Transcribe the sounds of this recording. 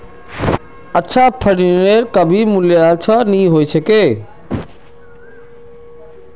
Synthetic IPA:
ətːʃʰapʰəɽineɾkəbʱimʊljat͡ʃʰənĩɦoːisekeː

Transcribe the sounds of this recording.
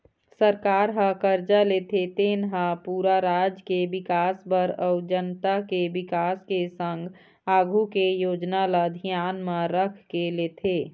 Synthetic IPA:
səɾkaːɾɦə̃kəɾd͡ʒaleːt̪ʰet̪eːnɦapuːɾaɾaːd͡ʒkebɪkaːsbəɾɔʊd͡ʒənt̪akebɪkaːskesə̃ŋɡʱ | aːɡʱukejoːd͡ʒnalad̪ʱijaːnmãɾəkʰkeleːt̪ʰeː

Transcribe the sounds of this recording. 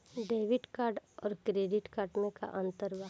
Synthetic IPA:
ɖeːʋɪʈkaːɾɖɔːɾkɾeːɖɪʈkaʈneka̰ʔɐ̃nt̪əɾʋa

